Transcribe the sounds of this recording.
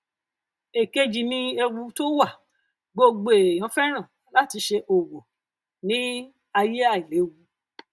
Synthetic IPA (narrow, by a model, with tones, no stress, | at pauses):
e˨ke˦d͡ʒi˨mĩ˧e˧wu˧to˦wa˦˨ | ɡ͡bo˧ɡ͡bo˧e˨j̃ɔ̃˨˦fɛ˦ɾ̃ã˦˨ | la˨˦ti˧ʃe˧ʔo˨wo˨ | nĩ˦ | a˧je˦a˦˨i˨le˨˦wu˧˦